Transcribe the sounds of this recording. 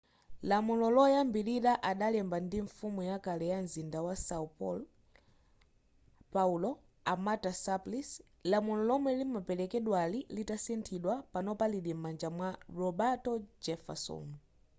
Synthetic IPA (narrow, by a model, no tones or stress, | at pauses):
lamulɔlɔjambiɾiɾaʔaɗalɛmbandiɱfumujakalɛjanzindawasaupɔl | paulɔ | amatasaplis | lamulɔlɔmwɛlimapɛlɛkɛɗwalilitasɛntʰiɗwapanɔpaliɗimmand͡ʒamwaɹɔbatɔd͡ʒɛfa̰sɔ̰n